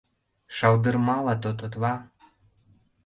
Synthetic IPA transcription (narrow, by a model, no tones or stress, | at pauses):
ʃɑld̪ərmɑlɑt̪ot̪ot̪βɑ